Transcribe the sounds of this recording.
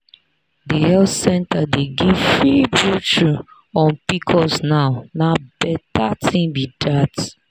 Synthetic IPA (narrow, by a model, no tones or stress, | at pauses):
dihɛltsɛ̃ntadeɡivfɹibɹut͡ʃɹi | ɔ̃npikʰɔsnaʊnabɛtatʰĩŋbidat